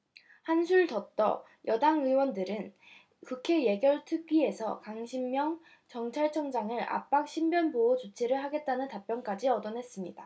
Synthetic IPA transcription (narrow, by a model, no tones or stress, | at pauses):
hansʰuɭtʌt͈ʌ | jʔʌdaŋɯwʌndɯɾɯn | kukʰe̞je̞ɡjʌɭtʰɯɥie̞sʰʌkaŋɕʰimːjʌŋ | t͡ɕʌŋt͡ɕʰaɭt͡ɕʰʌŋd͡ʑaŋɯɾa̰p͈ak̚ɕ͈ʰimbjʌnboot͡ɕot͡ɕʰeɾɯɭɦaɡe̞t̚t͈anɯntap͈jʌnk͈ad͡ʑiʌdʌnɦe̞s͈ɯmɲida